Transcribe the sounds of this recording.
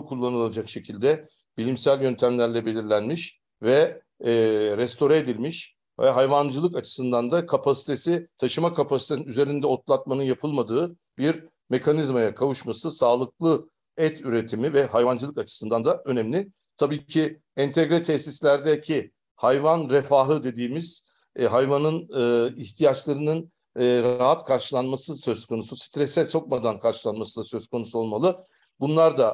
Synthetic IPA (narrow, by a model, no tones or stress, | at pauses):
kʰulˠːanɯlˠad͡ʒakʃecʰilʲd̪ɛ | bilʲimsælʲjø̞nt̪ʰæmlʲæɾlʲɛbe̞lʲiɾlʲænmiʃ | vɛ | ɾɛst̪ʰo̞ɾaed̪ilʲmiʃ | vɛ̰ɦajvand͡ʒɯlˠɯkat͡ʃʰɯ̥sɯnd̪and̪akʰapʰasi̥t̪ʰe̞sit̪ʰaʃɯmakʰapʰasit̪ʰeninyze̞ɾind̪ɛot̪lˠat̪̚manɯnjapʰɯlˠmad̪ɯː | biɾ | me̞kʰanizmajakʰavuʃmasɯsaːlˠɯklˠɯ | ɛt̪ʰyɾe̞t̪ʰimivɛɦajvand͡ʒɯlˠɯkat͡ʃʰɯ̥sɯnd̪and̪aʔø̞nɛmlʲɪ | t̪ʰabiːcʰi | ɛnt̪ʰɛɡɾɛt̪ʰɛçsislʲæɾd̪ɛcʰi | hajvanɾefaːɦɯd̪e̞d̪iːmiz̥ | ɦajvanɯnɯiçt̪ʰijat͡ʃlˠaɾɯnɯnː | ɾaɦat̪kʰaɾʃɯlˠanmasɯsø̞z̥kʰo̞nusust̪ɾɛsɛso̞k̚mad̪ankʰaɾʃɯlˠanmasɯlˠasø̞zkʰo̞nusuo̞lˠmalˠɯ | bunlˠaɾd̪a